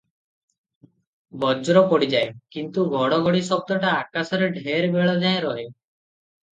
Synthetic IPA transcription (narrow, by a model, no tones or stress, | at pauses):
bɔd͡ʒɾɔpɔɽid͡ʒaekint̪uɡʱɔɽɔɡʱɔɽisɔb̚t̪ɔʈaːkasɔɾeɖʱeɾbeɭɔd͡ʒaẽɾɔɦe